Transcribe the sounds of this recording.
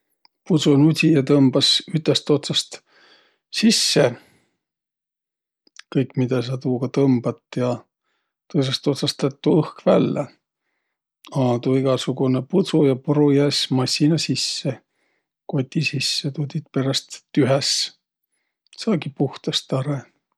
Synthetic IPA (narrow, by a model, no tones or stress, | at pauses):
put̪sunut̪ʲijɑt̪ɤmb̥ɑsyt̪ːˑest̪o̞t̪sɑst̪ | sisːe | kɤjkmid̪̥ɑs̬ɑt̪uːɡ̥ɑt̪ɤmb̥ɑt̪ːˑjɑ | t̪ɤs̬est̪o̞t̪sɑst̪ɑt̪ːˑuɤhkvælːe | ɑːd̪uiɡ̥ɑsuɡ̥uneput̪sujɑpuɾujæːsmɑsʲːinɑsisːe | ko̞t̪ʲːisisːet̪ut̪ʲit̪̚pe̞ɾɑst̪ːyɦes | sɑːɡipuht̪ɑst̪ɑɾe